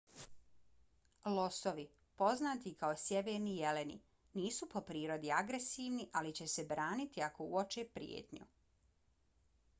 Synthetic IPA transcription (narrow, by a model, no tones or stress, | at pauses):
lo̞soʋi | po̞znaːt̪ikao̞sje̞ʋeːɾnijele̞nḭ | niːsupo̞pɾiːɾo̞d̪iaɡɾe̞siːʋniʔalit͡ɕe̞se̞bɾaːnit̪iako̞uot͡ʃepɾḭj̰ḛːt̪ɲṵ